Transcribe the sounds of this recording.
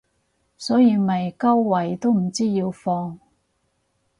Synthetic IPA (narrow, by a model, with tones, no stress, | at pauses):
sɔː˨˥jiː˨˧mɐ˨jkɐ˥wːɐ˨˩jt̪o˥wm̩˨˩t͡siː˥jiː˧wfɔː˧ŋ